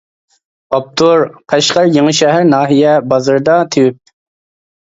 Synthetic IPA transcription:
ɑp̚t̪ʰuɾqʰæʃqɑɾjeŋɨʃɛɦæɾnɑːɦijɛbɑzɨɾd̪ɑt̪ʰewyp̚

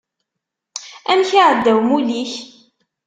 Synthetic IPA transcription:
ænçiʕəd̪ːæwmuliç

